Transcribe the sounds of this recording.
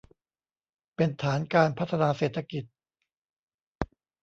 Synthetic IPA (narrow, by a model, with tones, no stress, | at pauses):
pe˧nt̪ʰaː˩˦nkaː˧npʰa˦˥t̪ʰːa˧naː˧seː˨˩t̪ʰːa˧ki˨˩t̪̚